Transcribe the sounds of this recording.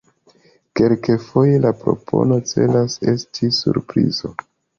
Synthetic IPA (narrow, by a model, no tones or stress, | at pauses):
kelkefo̞je̞lapɾo̞̰pʰo̞̰no̞t͡se̞lase̞stʰisṵɾpɾizo̞